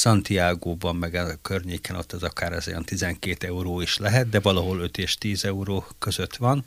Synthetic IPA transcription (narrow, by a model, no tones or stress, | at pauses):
sɒnt̪iaːɡoːbɒmːɛɡɛkørɲeːkɛno̞̰t̪ːɛzɒkaːɾɛ̰zojɒ̰nt̪izɛŋkeːt̪ɛuɾoːiʃlɛɦɛt̪̚d̪ɛvɒlɒɦo̞lø̞t̪eːʃt̪iːzɛuɾoːkø̞zø̞t̪ʋɒn